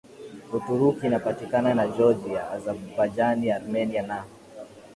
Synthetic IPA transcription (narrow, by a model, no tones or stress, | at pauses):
utuɾukinapatikananad͡ʒɔd͡ʒiaːzabupad͡ʒaniaɾumɛniana